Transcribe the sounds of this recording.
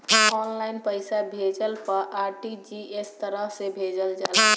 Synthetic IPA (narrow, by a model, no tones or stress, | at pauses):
ɔnlainpəjsabʱed͡ʒəlpəɾʔaɾʈid͡ʒiest̪əɾəɦsebʱed͡ʒəld͡ʒal